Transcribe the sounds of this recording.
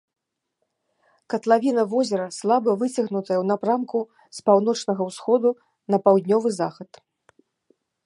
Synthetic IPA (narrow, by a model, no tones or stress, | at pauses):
kɐt̪lˠavʲinɐvɔzʲɛɾɐslˠabɐvɨt͡sʲɐɣnut̪ɐjɐwnapɾamku | spawn̪ɔt͡ʂnɐɣɐwsxɔd̪u | nɐpawd̪ʲnʲɔvɨzaxɐt̪